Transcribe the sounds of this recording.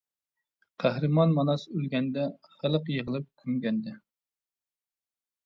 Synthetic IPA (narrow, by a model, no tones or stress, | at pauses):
qʰæhɾɨmɑnmɑnɑsølɡʲɛnd̪ɛχæləqjəʁəlˠɨp̚kʲʰymɡʲɛnd̪ɪ